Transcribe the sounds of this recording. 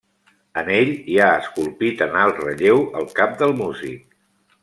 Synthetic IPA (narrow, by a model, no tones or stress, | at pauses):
əneʎiaəskulˠpit̪ənalˠrəʎewəlˠkap̚d̪əlˠmuzḭk̚